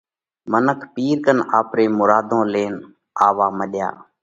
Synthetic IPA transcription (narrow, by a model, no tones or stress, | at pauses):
mənəkʰpiːɾkənaːpɾeːmʊɾaːd̪ʱõːleːn | aːʋaːməɗja̰ː